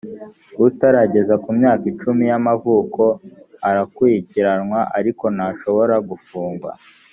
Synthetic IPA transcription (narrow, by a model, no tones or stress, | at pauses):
utaɾaɟe̞zakumɲaːkit͡ʃumijamavuːko̞aɾakwiciɾanŋwaʔaɾiko̞naʃo̞βo̞ɾaɡufuːŋɡwa̰